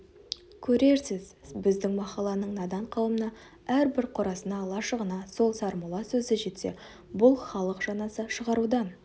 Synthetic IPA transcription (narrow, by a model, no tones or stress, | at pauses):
kʲʰɵɾe̞ɾsɪzbɪzd̪ɪŋmɑqɑlˠɑnəɴnɑd̪ɑɴqʰɑwəmənɑ | æɾbɪɾqʰʊɾɑsənɑlˠɑʃəʁənɑso̞lˠsɑɾməlˠɑsɵzɪʒe̞t̪se̞̰ | bʊlˠχɑlˠəqʒ̥ɑnɑsəʃəʁɑɾud̪ɑn